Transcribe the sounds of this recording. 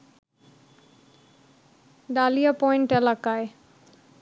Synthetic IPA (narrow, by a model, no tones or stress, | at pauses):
ɖalijapɔjɳʈelakae